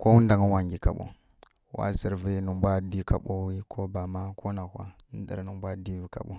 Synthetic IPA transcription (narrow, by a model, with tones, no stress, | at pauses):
ko˦wu˦n˦da˨ŋə˦wa˨ŋɡi˨ka̰˨ɓo̰˦ | wa̰˦zə˨ɾvi˦nu˨mbʷa˦di˦ka̰˨ɓo˦wi˦kʰo˦ba˨ma˦ko˦na˨kʷa̰˦n˦də̰˨ɾnə˨bʷa˦di˦vi˨ka̰˨ɓo˦